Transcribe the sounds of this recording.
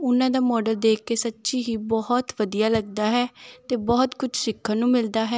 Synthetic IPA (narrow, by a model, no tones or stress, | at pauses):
ʊnãːd̪aːmɔːɖəld̪eːkːeːsətːʃiːɦiːbɔɦɔt̪ʋəd̪ijaːləɡd̪aːɦɛːt̪eːbɔːt̪kʊt͡ʃʰsɪkʰːaːnũːmɪld̪aːɦɛː